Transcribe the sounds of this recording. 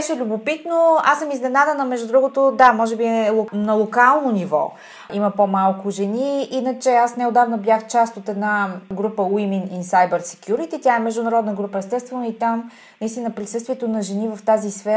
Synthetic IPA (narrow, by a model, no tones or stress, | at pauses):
ɛʃɛlʲʊbʊpit̪noa̰səmiznɛnad̪ənɐmɛʒd̪ud̪ɾuɡot̪od̪amɔʒɛbiɛlˠonɐlˠokalˠnonivɔ̰ | iməpomalˠkʊʒɛniinət͡ʃɛasnɛod̪avnɐblʲaxt͡ʃast̪ot̪ɛd̪naɡɾupəwimininsajbɛɾsɛ̥kʰʲjuɾit̪it̪jaɛmɛʒd̪ʊnɐɾɔd̪nəɡɾupəɛst̪ɛst̪vɛnoit̪am | nɐist̪inəpɾisɤst̪viɛt̪onɐʒɛnivɐft̪azisfɛ